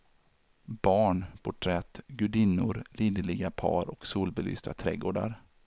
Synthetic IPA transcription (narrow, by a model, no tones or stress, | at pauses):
b̥ɑːɳpʰʊʈʰɾɛt̪ːɡɵɖiːnʊɾliːd̪əlɪɡapʰɑ̰ːɾɔksuːlbɛly̰ːst̪at̪ʰɾɛ̰ːɡoːɖa̰ɾ